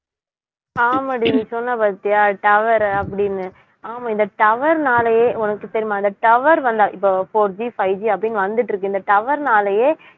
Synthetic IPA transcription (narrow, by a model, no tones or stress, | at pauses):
aːmɐɽɪnːɯsɔnːɐpaːɾt̪ːijaːʈɐʋɐɾɐpːɐɽɪnːɯ | aːmaɪnd̪ɐʈɐʋɐɾnaːlɐjeːʊnɐkːɯsɐɾɪmaːɪnd̪ɐʈɐʋɐɾʋɐnd̪aːɪpːofoːɾd͡ʒifɐɪd͡ʒiɐpːɐɽɪnːʋɐnd̪ɯʈːɾɯkːɯɪnd̪ɐʈɐʋɐɾnaːlɐjeː